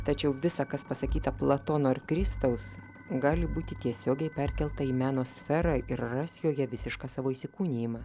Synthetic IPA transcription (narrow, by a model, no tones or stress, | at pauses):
t̪ɐt͡ʃʲɛʊʋʲɪsɑkɐspɐsɐkʲiːt̪ɐplˠɐt̪oːnoːɪrkɾʲɪst̪ɐʊs | ɡɑːlʲɪbuːt̪ʲɪt̪ʲiɛsʲoːɡʲɛɪpʲɛrʲkʲɛlˠt̪ɐiːmʲæːnoːsʲfʲɛɾɑʔɪɾrɐsʲjoːjɛʋʲɪsʲɪʃkɑːsɑːʋoːiːsʲɪkuːnʲiːmɑː